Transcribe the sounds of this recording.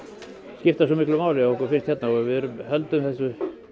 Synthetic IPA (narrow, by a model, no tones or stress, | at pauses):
scɪft̪asɔmihklʏmaːwlɪaɔhkɔɾfɪnst̪hɛt̪naɔvɪðɛɾʏmhɛlt̪ʏmθɛsːʏ